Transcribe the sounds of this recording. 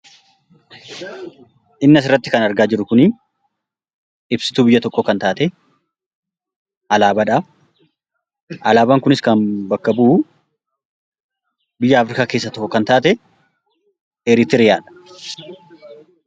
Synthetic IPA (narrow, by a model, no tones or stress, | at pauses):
ʔɪnːɐsɪrːɐt̪ːɪkɐnɐɾɡaːd͡ʒɪɾʊkʊni | ɪbsɪ̥t̪uːbɪjːɐt̪ɔkːɔkɐnt̪aːt̪ɛ | ʔɐlaːbɐᶑa | ʔɐlaːbaːŋkʊnɪskɐnbɐkːɐbuː | bɪjːɐːfɾɪkaːkeːs̬ːɐt̪ɔkːɔkɐnt̪aːt̪ɛ | ɛɾɪt̪ɪɾɪjaːᶑɐ̥